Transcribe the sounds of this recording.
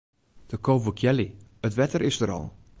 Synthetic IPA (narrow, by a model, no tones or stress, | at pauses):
d̥əkʰoːvukʰjɛliətʋɛtərɪsdəɾɔ̰lˠ